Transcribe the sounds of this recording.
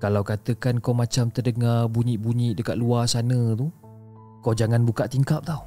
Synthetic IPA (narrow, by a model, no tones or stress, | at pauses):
kalawkat̪əkankawmat͡ʃamt̪ərdəŋarbuɲiʔbuɲiʔdəkat̪̚luasanə̃t̪u | kawd͡ʒaŋanbukaʔt̪iŋkap̚t̪aw